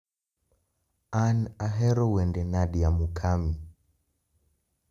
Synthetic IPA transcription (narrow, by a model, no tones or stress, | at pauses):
anaɦɛɾɔwɛndɛnaɗiamukʰami